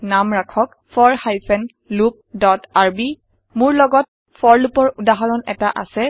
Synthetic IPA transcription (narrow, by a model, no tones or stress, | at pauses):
namɹakʰɔk | fʰɔɹhajpʰɛn | lup̚dɔtaɹbi | mʊɹlɔɡɔt̚ | fʰɔɹlupɔɹudaɦɔɹɔnɛtaʔa̰sɛ